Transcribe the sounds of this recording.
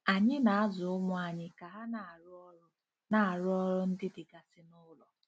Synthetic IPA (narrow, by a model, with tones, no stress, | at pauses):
a˨ɲɪ˦na˨a˦zʊ˨ʊ˦mʊ˦a˨ɲɪ˦ka˨ɦa˦n˨˦ | na˨a˨ɾʊ˦ɔ˦ɾʊ˦n̩˦dɪ˦dɪ˨ɡa˨sɪ˨nʊ˦lɔ˨